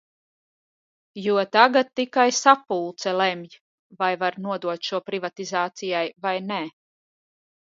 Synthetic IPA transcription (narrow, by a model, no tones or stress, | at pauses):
juɔt̪aɡat̪ːikajsapulˠt̪sɛlɛmʲj | vajvaɾnuɔd̪uɔt̪ʃuɔpɾivat̪izaːt̪sijajvajnɛ